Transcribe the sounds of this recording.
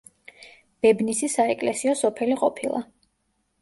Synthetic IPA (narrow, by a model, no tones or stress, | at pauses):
b̥ɛbnisisaɛkʼlɛsiɔsɔpʰɛliqʼɔpʰilˠʔa̰